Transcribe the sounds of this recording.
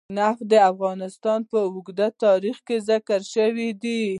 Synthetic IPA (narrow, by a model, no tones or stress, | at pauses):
nafd̪əafɣɑnɪst̪ɑnpəʊɡd̪at̪ɑɾixkezakaɾʃəwid̪i